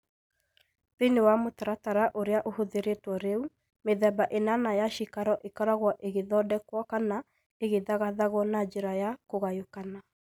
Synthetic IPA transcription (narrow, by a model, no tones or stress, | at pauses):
penewamotaɾataɾaʔoɾeaʔohoðeɾetwɔɾeu | meðɛbaʔenanajaʃikaɾɔʔekaɾaɣwɔʔeɣeðɔdɛkwɔkana | eɣeðaɣaðaɣɔnad͡ʒeɾajakoɣajokana